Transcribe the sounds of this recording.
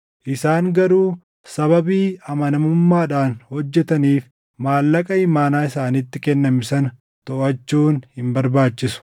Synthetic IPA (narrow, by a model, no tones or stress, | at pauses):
ʔɪsaːŋɡɐɾuː | sɐβɐbiːɐmɐnɐmʊmːaːᶑaːnhɔd͡ʒːɛt̪ɐniːf | maːlːɐkʼɐɪmaːnaːɪsaːnɪt̪ːɪkɛnːɐmɪsɐnɐ | t̪ɔʔɐt͡ʃːuːnhɪmbɐɾbaːt͡ʃːɪsʊ̥